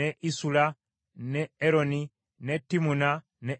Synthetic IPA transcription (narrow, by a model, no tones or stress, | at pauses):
eʔisula | neeɾoni | netːimuna | ne